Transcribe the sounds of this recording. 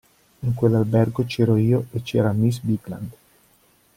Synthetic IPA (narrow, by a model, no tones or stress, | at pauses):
iŋkwelːalbɛrɡot͡ʃɛːɾoiːoet͡ʃːɛːɾamisbiɡla̰nd̪